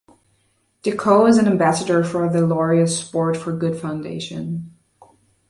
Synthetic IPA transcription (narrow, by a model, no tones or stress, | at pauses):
d̥ɨkʰoʊɪzɨ̃nɨ̃mbæsəɾə˞fə˞ðəlɔɹiɨspɔɹtfə˞ɡʊd̥fãʊ̃ndḛɪʃɨ̰̃n